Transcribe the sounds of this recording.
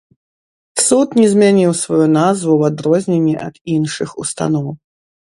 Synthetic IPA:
sut̪nʲɛzmʲanʲiwsvajunazvuwad̪ɾɔzʲnʲenʲːiʔɐ̰d̪inʂɨxust̪a̰nɔw

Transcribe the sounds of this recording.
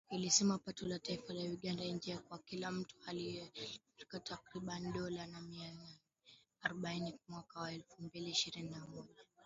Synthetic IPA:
ilisɛmapatɔlataifalawiɠandaind͡ʒiakwakilam̩tu̥aliɛfɾikatakɾiɓaniɗɔlanamiananɛ | aɾɔɓainimwakawaɛlfumbiliːʃiɾininamɔʄa

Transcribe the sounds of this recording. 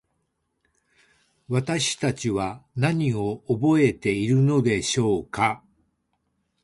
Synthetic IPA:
βat̪aɕi̥t̪at͡ɕiβanaɲ̟io̞ːbo̞e̞t̪e̞iɾɯ̟no̞d̪e̞ɕo̞ːka

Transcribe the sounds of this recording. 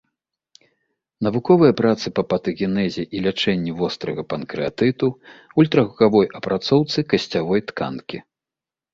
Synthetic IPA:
nɐvukɔvɨjɐpɾat̪sɨpɐpɐt̪ɨɣʲinɛzʲiʔilʲat͡ʂɛnʲːivɔst̪ɾɐɣɐpɐnkɾɨat̪ɨt̪uulʲt̪ɾɐɣavɔjʔɐpɾʔat̪sɔwt̪sɨkɐsʲt͡sʲavɔjt̪ka̰nkʲi

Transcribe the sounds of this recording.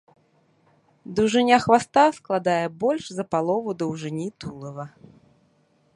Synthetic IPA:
d̪ɐwʐɨnʲaxvast̪asklˠad̪ajɛbɔlʲʂzɐpalˠɔvud̪ɐwʐɨnʲit̪ulˠɐvɐ

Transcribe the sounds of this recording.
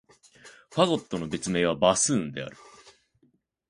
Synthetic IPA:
ɸaɡo̞t̪ːo̞no̞be̞t͡sɨme̞ːβ̞abasɨːnd̪e̞a̰ɾɯ̟

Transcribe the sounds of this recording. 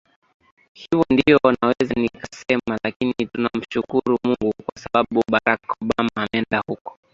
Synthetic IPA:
hivɔndiɔnawɛzanikasɛmalakinitunam̩ʃukuɾumuŋɡukwasaɓaɓuɓaɾakɔɓamaːmɛndahukɔ̥

